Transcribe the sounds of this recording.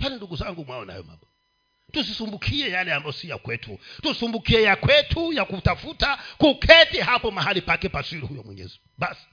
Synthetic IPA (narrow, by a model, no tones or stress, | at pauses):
taninduɡuzaŋɡumwaɔna̰jɔ̰ma̰mbɔ | tusisumbukʰiɛjalɛambajɔsija̰kwɛtʰṵtusumbukiɛjakwɛtʰujakutafutakukʰɛtɛɦapɔmahalipakɛpasiɾuhujɔmwɛ̰ɲɛ̰ziuuɓasi̥